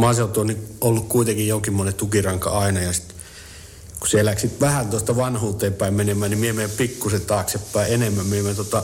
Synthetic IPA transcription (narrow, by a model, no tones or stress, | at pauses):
mɑselut̪uonniolːukkuit̪eŋkijjoŋkimːonet̪ukirɑŋkɑ̰ɑinɑjɑsi̥t̪ | ku̥selæksit̪ʋæhænt̪uost̪ɑʋɑnhuːt̪ˑeːmpæimmenemˑæːnimiemeːˑmpikːuset̪ɑːksepːæˑienemːæmmiemet̪ot̪ɑ